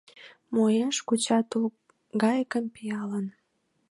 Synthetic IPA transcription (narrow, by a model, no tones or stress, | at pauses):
mojeʃkut͡ɕɑt̪uk̚ | ɡɑjkəmpijɑlən